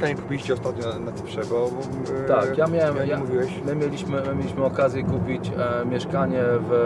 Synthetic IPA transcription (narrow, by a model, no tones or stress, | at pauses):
kaɲɛkupʲiliɕt͡ɕɛɔst̪at̪̚ɲɔnnat̪ɛpʂɛɡɔ | t̪akkjamʲjawɛmjamuvʲiwɛɕmɘmʲjelʲiɕmɘmɘmʲelʲiɕmɘɔkazʲjɛkupʲit͡ɕmʲjɛʂkaɲɛv